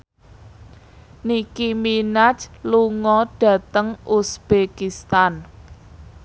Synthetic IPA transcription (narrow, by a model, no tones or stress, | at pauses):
nikiminat͡ʃluŋɔd̥ä̤t̪əŋʔusb̥ekist̪an